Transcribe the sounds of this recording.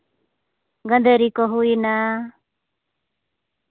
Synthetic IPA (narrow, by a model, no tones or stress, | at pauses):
ɡənd̪eɾikoɦuina